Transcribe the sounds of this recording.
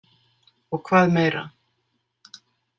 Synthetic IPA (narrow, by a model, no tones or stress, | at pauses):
ɔɣkʰvaːðmeːjɾa̰